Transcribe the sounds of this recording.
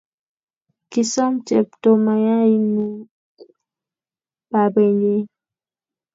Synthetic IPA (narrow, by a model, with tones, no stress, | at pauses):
ki˨sɔ˦mt͡ʃɛ˨p̚to˨ma˨ja˦i˦nu˦ | ba˨bɛ˨ɲe˦